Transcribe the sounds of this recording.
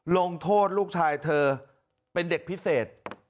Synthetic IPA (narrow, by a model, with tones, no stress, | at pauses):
lo˧ŋt̪ʰoː˥˩t̪̚luː˥˩k̚t͡ɕʰaː˧jt̪ʰɤː˧ | pe˧nde˨˩k̚pʰi˦˥seː˨˩t̪̚